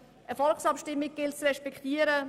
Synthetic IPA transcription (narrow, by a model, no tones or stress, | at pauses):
ʔɛʁfɔlksɑpʃtɪmːɪɡ̚ɡ̥ɪltsrɛʃpɛktiːəɾə